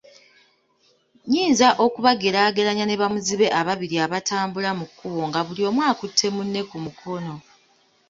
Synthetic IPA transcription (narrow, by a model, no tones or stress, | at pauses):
ɲiːnzaʔo̞kuβaɡe̞ɾaːɡe̞laɲane̞βamuziβe̞ʔaβaβiɾiaβatʰaːmbulamukːuβo̞ŋɡaβulio̞mwaːkutʰːe̞munːe̞kumukʰo̞no̞